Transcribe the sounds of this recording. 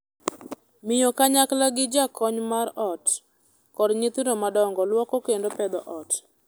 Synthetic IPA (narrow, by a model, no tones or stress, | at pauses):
mɪjokaɲaklaɡɪd͡ʒakʰɔɲmaɾɔt | kɔdɲɪt̪inomadɔŋɡɔlwɔkɔkendopɛd̪ɔʔɔt